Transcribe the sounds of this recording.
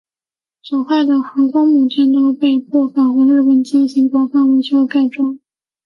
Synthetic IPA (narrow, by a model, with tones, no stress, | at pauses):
sɔ˨˩xwa˥˩ɪd̪ə˨˩xɤ˧˥kɑ˥ŋmu˨˩t͡ɕʰjɛ˥˩nt̪o˥ʊpe˥˧ɪpʰɔ˥˩fa˨˩nxwe˧˥ɪlə˥˩wə˥˩nt͡ɕɛ˥nɕi˧˥kwɔ˧˥fa˥nwe˧˥t͡ɕʰjo˥ka˥˩ɪʈ͡ʂwɑ˥˦ŋ